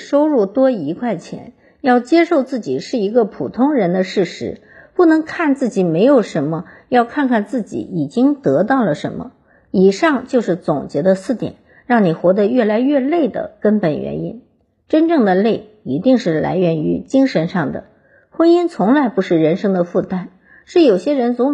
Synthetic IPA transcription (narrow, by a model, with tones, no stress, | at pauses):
ʂo˥ʊɻu˥˩t̪wɔ˥i˧˥kʰwa˥˩ɪt͡ɕʰjɛ̰˧˥n | jɑ˥˩ʊt͡ɕjɛ˥ʂo˥˧ʊt͡sɹ̩˥˩t͡ɕḭ˨˩ʂɻ̩˥˩i˧˥ɡə˧pʰu˨˩t̪ʰʊ˥ŋɻə˧˥nd̪ə˧ʂɻ̩˥˩ʂɻ̩˧˥ | pu˥˩nɤ˧˥ŋkʰa˥˧nt͡sɹ̩˥˩t͡ɕi˨˩me˧˥ɪjo˨˩ʊʂə˧˥nmə˧jɑ˥˧ʊkʰa˥˧nkʰa˥˧nt͡sɹ̩˥˩t͡ɕḭ˨˩i˨˩t͡ɕi˥ŋt̪ɤ˧˥t̪ɑ˥˩ʊlə˩ʂə̰˧˥nmə̰˧ | i˨˩ʂɑ˥˧ŋt͡ɕjo˥˧ʊʂɻ̩˥˩t͡sʊ˨˩ŋt͡ɕjɛ˧˥d̪ə˧sɹ̩˥˩t̪jɛ̰˨˩˦n | ɻɑ˥˩ŋni˨˩xwɔ˧˥d̪ə˧ɥɛ˥˩la˧˥ɪɥɛ˥˧le˥˩ɪd̪ə̰˩kə˥npə˨˩nɥɛ̰˧˥nḭ˥n | ʈ͡ʂə˥nʈ͡ʂɤ˥˩ŋd̪ə˩le˥˩ɪ | i˧˥t̪i˥˧ŋʂɻ̩˥˩la̰˧˥ɪɥɛ˧˥ny̰˧˥t͡ɕi˥ŋʂə˧˥nʂɑ˥˩ŋd̪ə̰˩ | xwə˥ni˥nt͡sʰʊ˧˥ŋla˧˥ɪpu˧˥ʂɻ̩˥˩ɻə˧˥nʂɤ˥ŋd̪ə˨fu˥˩t̪a˥n | ʂɻ̩˥˩jo˨˩ʊɕjɛ˥ɻə˧˥nt͡sʊ˧˥